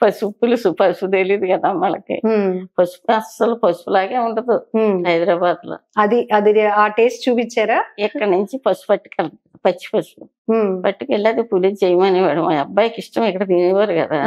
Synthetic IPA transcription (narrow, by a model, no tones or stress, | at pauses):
pɐsupːulusupɐsud̪elid̪ukɐd̪aːmɐɭɐ̰kḭpɐsu̥puɐsɐlupɐsu̥pulaːɡeːuɳʈɐd̪uɦɐjd̪ɾaːbaːd̪ulo̰ːɐd̪iʔɐd̪iaːʈeːsʈ̚t͡ʃuːpit͡ʃːaːɾaːɛkːɐɽniɲt͡ʃipɐsu̥pɐʈːi̥kɐl | pɐt͡ʃːi̥pɐsu | pɐʈːikeɭːɐd̪ipulid͡ʒd͡ʒɐjɐmɐniʋaːɽumaɐbːaːjɐkiʂʈɐmɛkːɐɽɐd̪iːniʋɐɾukɐd̪aː